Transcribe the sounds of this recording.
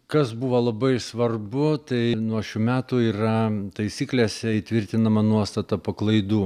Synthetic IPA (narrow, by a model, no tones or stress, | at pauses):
kɐsbuːʋɐlˠɐbɐɪsʋɐrbʊt̪ɐɪnuɔʃʲuːmʲæːt̪uiːrɐt̪ɐɪsʲiːklʲeːsʲɛit̪ʲʋʲɪɾʲt̪ʲɪnɐmɐnuɔst̪ɐt̪ɐpɐklˠɐɪd̪uː